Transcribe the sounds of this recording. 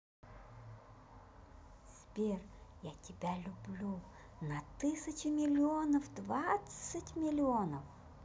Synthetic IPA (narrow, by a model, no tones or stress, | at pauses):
sʲpʲerjatʲɪbʲalʲʊblʲu | nɐt̪ɨsʲət͡ɕɪmʲɪlʲɪonəfd̪vat̪sətʲmʲɪlʲɪonəf